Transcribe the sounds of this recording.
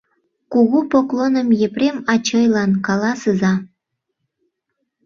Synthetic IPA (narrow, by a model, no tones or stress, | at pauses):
kuɣupoklonə̆mjepremɑt͡ɕɤjlɑnkɑlɑsəzɑ